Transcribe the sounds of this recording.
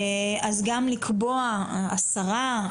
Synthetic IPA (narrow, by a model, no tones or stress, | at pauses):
azɡamlikʰboaasaʁa